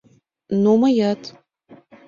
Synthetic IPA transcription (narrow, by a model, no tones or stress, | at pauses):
nomɐjatʰʼ